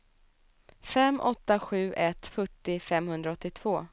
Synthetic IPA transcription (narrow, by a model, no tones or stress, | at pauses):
fɛmːʔɔt̪ːaɧʉ̟ːʔɛt̪fœʈːɪfɛmːhɵnd̪ɾaɔt̪ːɪt̪ʰv̥oː